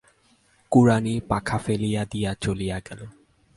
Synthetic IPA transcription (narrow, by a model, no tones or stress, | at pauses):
kuɾanipakʰafelijad̪ijat͡ɕolijaɡɛlo